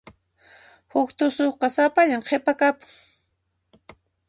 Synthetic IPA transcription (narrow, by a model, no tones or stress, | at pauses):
hʊkt̪ʊsoχqɑsapaʎaŋqʰepakapʊ̥ŋ